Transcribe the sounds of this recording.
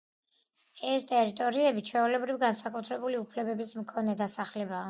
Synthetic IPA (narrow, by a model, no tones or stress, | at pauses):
ɛst̪ʼɛɾit̪ʼɔɾiɛbit͡ʃʰwɛulɛbɾivɡansakʼut̪ʰɾɛbuliupʰlɛbɛbismkʰɔnɛd̪asaχlɛbaː